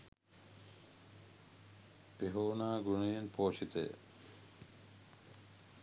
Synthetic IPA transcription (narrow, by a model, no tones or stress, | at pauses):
peɦoːnaːɡunijenpʰoːʃit̪ḛ